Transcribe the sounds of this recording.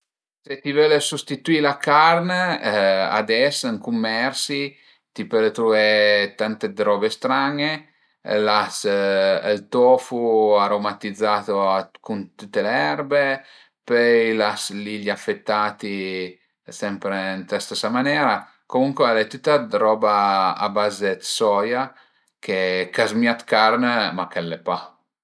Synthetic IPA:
set̪ivɛlesust̪it̪uilakarne | a̰d̪ɛsŋkumːɛrsi | t̪ipølet̪ɾuet̪ant̪ed̪ɾɔbest̪ɾaŋe | las | lt̪ɔːfuaɾomat̪id̪zːaːt̪oakunt̪ut̪ːeleɛrbe | pøjlasliʎafːet̪ːaːt̪i | sɛmpɾent̪ast̪esamanɛːɾa | komuŋkwealɛt̪ut̪ːad̪ɾɔba̰ːbaːzet̪sɔja | kekazmiat̪kaɾnmakɛlːepa

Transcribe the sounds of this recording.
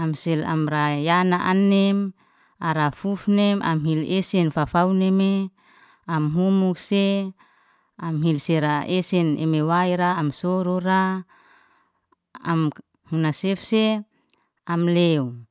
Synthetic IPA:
amsɛla̰mrajanaʔanɛm | aɾafufnemʔa̰mɦilesɛnfafauneme | amɦumukse | amɦilseɾaesɛnḛmewaiɾaːmsɔɾoɾa | a̰m | hunasefse | amleu

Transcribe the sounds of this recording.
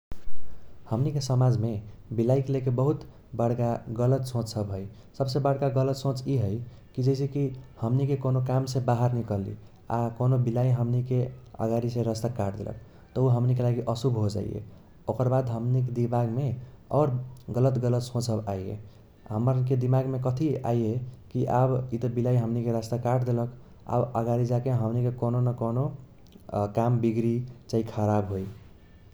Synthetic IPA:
həmnikesəmad͡ʒmebilaikelekebəɦut̪ | bəɽ̤kaɡələt̪sõt͡ʃsəbɦoj | səbsebəɽ̤kaɡələt̪sõt͡ʃiɦəj | kid͡ʒəɪsekihəmnikekonokamsẽbaɦəɾnikəlḭ | a̰konobilaiɦəmnikeə̰ɡaɾisẽɾəst̪akaɾd̪ḛlʔə̰k̚ | t̪ɔuɦəmnikelaɡiʔəsubɦod͡ʒa̰ḭjḛ | okəɾbad̪ɦəmnikd̪imaɡmeɔɾɡələt̪ɡələt̪sõt͡ʃʰəbajḛ | ɦəməɾked̪imaɡmekət̪ʰia̰iekiʔabit̪əbilaiɦəmnikeɾəst̪akaʈd̪elək | a̰bəɡaɾid͡ʒakeɦəmnikekononəkono | kambiɡɾit͡ʃaikʰəɾabɦoj

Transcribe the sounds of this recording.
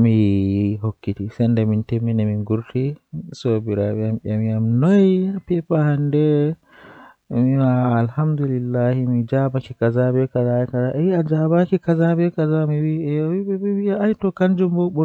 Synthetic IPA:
miɦokːitisɛndɛmintemːinɛminɡuɾtʰisobiɾabɛamɓamiamnɔjapɛpahandɛ | miwaːlhamd̪ulilːahimid͡ʒabakikazabɛkazajkazaʔɛwiad͡ʒabakikazabɛkazamiwiɛjɔwibɛbɛwiaajtɔkand͡ʒumbɔɓɔ

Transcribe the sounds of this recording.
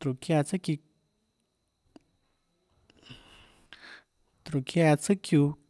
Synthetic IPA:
t̪ɾukiat͡səki | t̪ɾukiat͡səku

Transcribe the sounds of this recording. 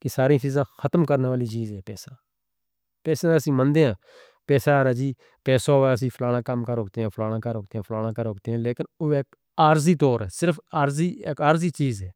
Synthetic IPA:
kɪsaːɾĩːt͡ʃiːzãːxʰət̪mkəɾnːʋaːliːt͡ʃiːzɦɛːpɛːsãː | pɛːsãːəsĩːmənd̪eːãː | pɛːsaːɾaːd͡ʒiː | pɛːsaːɦoɛːəs̬ĩːpʰlaːɽ̃ãːkəmkəɾɦoːk̚t̪eːãːpʰlaːɽãːkəɾɦʊːkt̪eãːpʰlaːɽ̃ãːkəɾɦoːkt̪eːãːleːkɪnoːeːk | aːɾziːt̪oːɾɛːsɪɾpʰaːɾziːkaːɾziːt͡ʃiːzɛː

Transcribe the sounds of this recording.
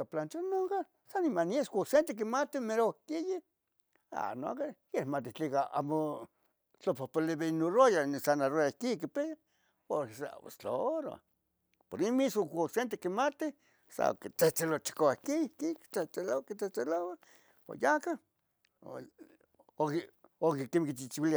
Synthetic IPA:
aplant͡ʃonoŋka | sanimanieskosent̪ek̬imat̪imeɾokiji | a̰no̰kejehmat̪it͡ɬikaa̰mo | t͡ɬopohpoleβeinorojanisanarojakikipeja | poɾsa̰o̰st͡ɬooɾa̰ | poɾimisokosent̪ekimat̪i | sa̰o̰ktet͡selot͡ʃi̥koakikiteelokit̪eelowa | po̰jaka̰ | okokekemkit͡ʃit͡ʃiwilia

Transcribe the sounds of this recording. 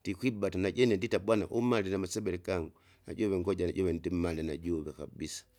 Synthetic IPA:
dikwibatanaɟɛnɛnditabwana̰ʔumalinamasɛbɛlikaŋɡu | na̰ɟɔβɛŋɡɔɟaɟɔβɛndimmalinaɟuβɛka̰bisḁ

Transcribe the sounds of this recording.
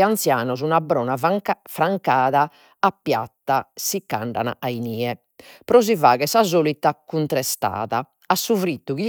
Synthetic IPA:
ant̪sjaːnɔzunabɾɔːnafɾaŋkaːða | apːja̰t̪ːasikːa̰ɳɖa̰na̰ainiːɛ | pɾɔzivaːɣɛsazoːlit̪ːakunt̪ɾɛst̪a̰ːðaː | sːuvɾit̪ːuɣi

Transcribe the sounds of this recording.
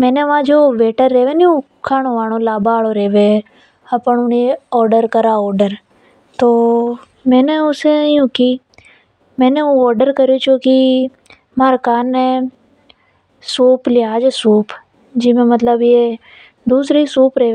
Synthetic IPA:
mɛ̃ːneʋãd͡ʒoːʋeːʈəɾːeːʋeniũ | kʰaːɽ̃oʋaːɽ̃olaːbaːɭoɾeːʋẽ | ɐpəɳʊniɔːɾɖəɾkəɾaɔːɾɖəɾ | t̪oː | mɛ̃ːneʊsejũki | mɛ̃ːneũɔːɾɖəɾkəɾijot͡ʃoːki | maːɾkaːnːe | suːplɪjaːd͡ʒesuːp | d͡ʒɪmẽmət̪ləbje | d̪uːsɾisuːpɾeː

